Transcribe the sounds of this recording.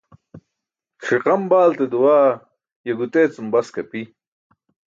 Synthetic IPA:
xʰiqɐmbaːlt̪ed̪uwaː | jɐɡut̪eːt͡sumbɐskɐpi

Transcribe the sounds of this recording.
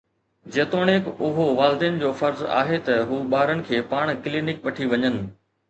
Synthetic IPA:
d͡ʑeːt̪oːɽ̃eːkʊɦoʋaːlɪd̪iːn̆d͡ʑoːfɐɾza̰ːɦet̪ɐɦuːɓaːɾənɪ̆kʰeːpaːɽ̃kɪliːnɪkʋɐʈʰiʋɐɲənɪ̆

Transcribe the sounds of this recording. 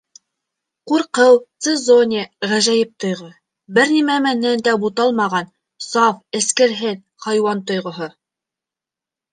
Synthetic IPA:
quɾqɤwt̪sɘzonʲiʁæʒæjɘp̚t̪ŏjʁo | bɘɾnimæmænːænd̪æbut̪ɑlˠmɑʁɑn | sɑfɘ̆skɘ̆ɾɦɘn | χɑjwɑnt̪ŏjʁɤ̆ɦɤ

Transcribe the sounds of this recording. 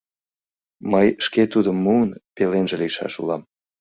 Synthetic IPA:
məjʃket̪ud̪əmːuənpelenʒeliʃɑ̰ʃṵlɑm

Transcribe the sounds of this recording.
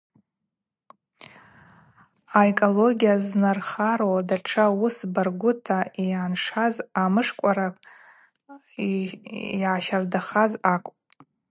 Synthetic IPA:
aekʼoloɡʲijaznarχaɾowdaʈ͡ʂʰausbarɡʷʊtʰaiaːnʂazamɨʂkʷʼaɾapʼ | jʕaʃardaχazakʷʼ

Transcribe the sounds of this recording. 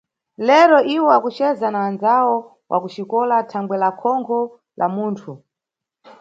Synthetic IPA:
lɛɾɔʔiwɔwakut͡ʃɛzanawanzawɔ | wʔa̰kut͡ʃikɔlatʰaŋɡwɛlakʰɔŋkʰɔ | lʔamuːntʰu

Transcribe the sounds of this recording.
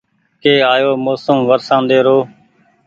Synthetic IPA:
keːaːjoːmoːsəmʋəɾsãːnd̪eːɾoː

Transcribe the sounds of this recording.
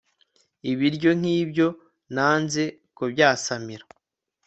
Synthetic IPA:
iβiɾɟo̞ŋ̥hiːbɟo̞ | naːnze̞ | kobjaːsamiɾa

